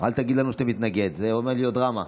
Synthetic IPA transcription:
a̰lt̪aɡid̪lanuʃt̪amit̪naɡed̪zeomeʁliot̪̚d̪ʁama

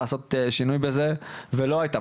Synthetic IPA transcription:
aso̞t̪ʃinujbezevelo̞ajt̪a

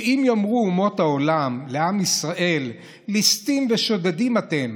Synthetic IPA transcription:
imjamʁuumo̞t̪hao̞lamle̞amisʁaʔe̞lː | ist̪imveʃo̞d̪ad̪imat̪e̞m

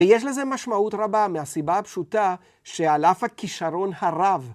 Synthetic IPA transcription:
ejeʃ̬le̞ze̞maʃmautʁabamehasibahapʃuta | ʃealafhakiʃaɾo̞nhaʁav

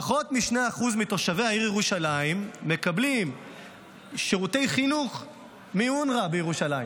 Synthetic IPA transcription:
aχo̞t̪miʃneaχuzmitoʃave̞jhaiʁjeʁuʃalaimːe̞kablim | ʃeʁute̞jχinuχ | miunʁabejeʁuʃalai

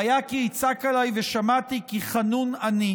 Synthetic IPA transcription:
ajakiit͡sakalajveʃamat̪ikiχanunani

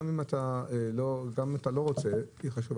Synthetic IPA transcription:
mimat̪aeloɡamimat̪alo̞ʁo̞t͡se̞iχaʃuv

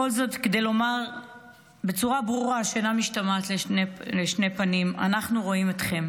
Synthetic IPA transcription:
o̞lzo̞tked̪e̞jlo̞maʁ | be̞t͡suʁabʁuʁaʃenamiʃtamatleleʃne̞panima̰naχnuʁo̞imet̪χe̞m

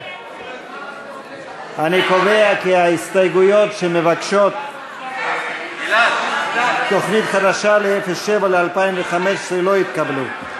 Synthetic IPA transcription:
aniko̞ve̞akiaist̪ajɡujo̞t̪ʃemevakʃo̞t̪ | tːo̞χnit̪χad̪aʃaleefesʃevalealpaimveχameʃesʁelo̞jit̪kablu

